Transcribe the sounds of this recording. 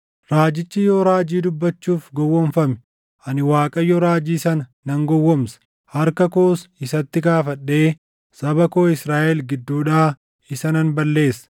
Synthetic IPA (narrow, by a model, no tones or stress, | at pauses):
ɾaːd͡ʒɪt͡ʃːɪjoːɾaːd͡ʒiːd̪ʊbːɐt͡ʃːuːfɡɔwːɔnfɐmɛ̥ | ʔɐnɪwaːkʼɐjɔɾaːd͡ʒiːsɐnɐːɐŋɡɔwːɔmsɐ̥ | hɐɾkɐkoːsɪsɐt̪ːɪɡaːfɐɗːe̞ː | sɐbɐkoːɪsɾaːʔɛlɡɪd̪ːuːᶑaː | ɪsɐnɐnbɐlːe̞ːsɐ̥